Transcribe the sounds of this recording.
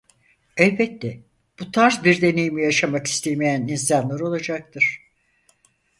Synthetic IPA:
ɛlbɛt̪ːɛ | b̥ut̪ʰaɾzbiɾd̪e̞ne̞jimijaʃamaki̥st̪ʰejme̞jæninsanlˠaɾo̞lˠad͡ʒak̚t̪ʰɯɾ̝̥

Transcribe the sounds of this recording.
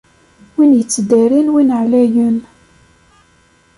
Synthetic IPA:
winjət͡sːd̪æɾinwinʕlæjən

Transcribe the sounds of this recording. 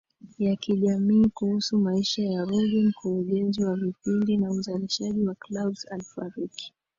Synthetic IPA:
jakiʄamiːkuhusumaiʃajaɾuɡim̩kuɾuɠɛnziwavipindinauzaliʃaʄiwaklaɓzalfaɾiki̥

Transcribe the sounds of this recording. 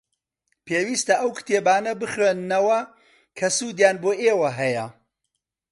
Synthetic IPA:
pʰeːwist̪ɐʔɐwkɨ̥t̪ʰeːbaːnɐbɨxɾennɐwɐ | kʰɐsuːd̪jaːnboːʔeːwɐɦɐjɐ

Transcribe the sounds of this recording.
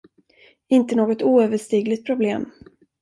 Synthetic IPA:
ɪnt̪ənoːɡɔt̪uːøːvəʂt̪iːɡlɪt̪̚pʰɾʊbleːm

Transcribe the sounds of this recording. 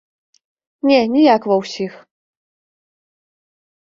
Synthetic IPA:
nʲɛnʲijakvɐwsʲix

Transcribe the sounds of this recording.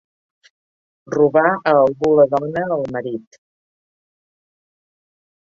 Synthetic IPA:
ruβaəːlˠɣuləðɔnəːlˠməɾit̪

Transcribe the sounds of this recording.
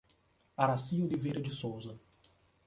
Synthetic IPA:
aɾasiʊlivejɾɐd͡ʒɪsowzɐ

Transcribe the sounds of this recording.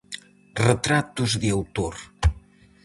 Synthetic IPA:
rət̪ɾat̪uzðiawt̪oɾ

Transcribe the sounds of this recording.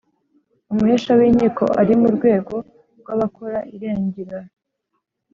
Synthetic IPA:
umuheʃawiɲiko̞̰ʔaɾimuɾɡwe̞ːɡo̞ | ɾɡwaβakoɾaʔiɾeːɲɟiɾaɾ

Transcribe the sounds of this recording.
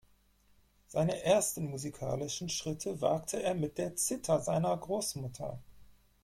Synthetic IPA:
z̥aɪnəʔeːɐstn̩muzikʰa̰ːlɪʃn̩ʃʁ̥ɪtʰəva̰ɐktʰəeːɐmɪt̚d̥eːɐt͡sɪtʰɐzaɪnɐɡʁoːsmʊtʰɐ̰

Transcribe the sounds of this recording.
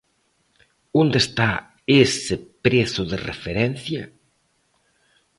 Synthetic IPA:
ond̪est̪a | esɪpɾeθʊðɪrḛfeɾɛnθjɐ

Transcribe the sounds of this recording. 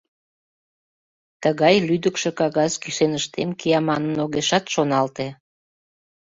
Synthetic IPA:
t̪əɣɑjlyd̪əkʃe̽kɑɣɑskiʃenəʃt̪emkiɑmɑnənoɣeʃɑt̪ʃonɑlt̪e

